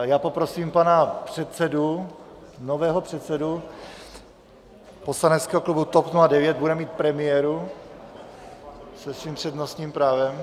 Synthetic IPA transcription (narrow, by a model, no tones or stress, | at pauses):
jaːpo̞pɾo̞siːmpanapr̝̥ɛt̪sɛdu | novɛːɦopr̝̥ɛt̪sɛdu | po̞slanɛt̪skɛːɦoklubut̪opnuladɛvjɛd̪̚budɛmiːt̪̚pɾɛmɪjɛɾu | sɛsviːmpr̥ɛdnosɲiːmpɾaːvɛm